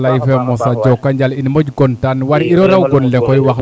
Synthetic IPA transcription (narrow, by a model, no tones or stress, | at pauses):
lajifɛmɔsad͡ʒɔkːaɲd͡ʒalinmod͡ʒɡɔntanwaɾiɾɔɾawɡɔnlɛkɔiwax